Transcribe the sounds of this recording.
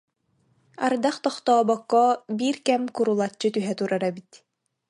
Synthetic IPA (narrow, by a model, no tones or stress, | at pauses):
aɾd̪aχt̪ɔχt̪ɔːbɔkːɔbiːɾkɛmkuɾulˠat͡ɕːɯt̪yɦɛt̪uɾaɾɛbit̪